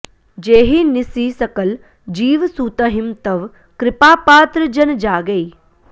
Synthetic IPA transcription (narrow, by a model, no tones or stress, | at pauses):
d͡ʒeːɦinɪsiːsɐkəl | d͡ʒiːʋsuːt̪əɦɪmt̪ɐʋ | kɾɪpaːpaːt̪ɾəd͡ʒɐnd͡ʒaːɡɐiː